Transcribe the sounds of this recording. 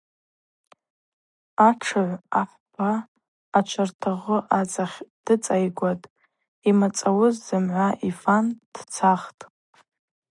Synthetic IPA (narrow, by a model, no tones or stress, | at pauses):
aʈ͡ʂʰɨʕʷaħʷb̥aː | t͡ʃʷʰartʰaʁəʔat͡sʼaχʲd̥ɨt͡sʼajɡʷatʼ | imat͡sʼawʊzzɨmʕʷaʔifand̥t͡sʰaχtʼ